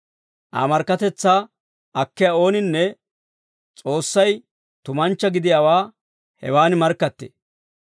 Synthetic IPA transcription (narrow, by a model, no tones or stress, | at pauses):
ʔa̰ːmɐɾkːɐt̪ɛt͡sːaː | ɐkːɪjɐo̞ːnɪnːɛ | t͡sʼo̞ːsːɐj | t̪ʊmɐnt͡ʃːɐɡɪd̪ɪjaːwaː | hɛ̰waːnɪmɐɾkːɐt̪ːḛː